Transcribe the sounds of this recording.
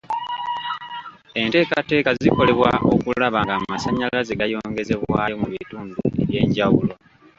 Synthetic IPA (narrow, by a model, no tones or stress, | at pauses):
e̞nte̞ːkate̞ːkaziko̞le̞βwa̰ʔo̞̰kulaβaŋɡaːmasaɲːalazeɡajo̞ːŋɡe̞ze̞βwaːemuβituːndṵeβje̞ːɲɟawulo̞